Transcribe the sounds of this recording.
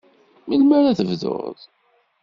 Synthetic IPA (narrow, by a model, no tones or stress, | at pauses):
milmaɾæθəvðʊ̰ð